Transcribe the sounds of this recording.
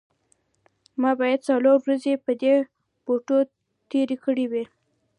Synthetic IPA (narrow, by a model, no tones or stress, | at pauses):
mɑbɑjad̪̚t͡saloɾwɾazepəd̪e | b̥oʈo | t̪eɾekəɽiwi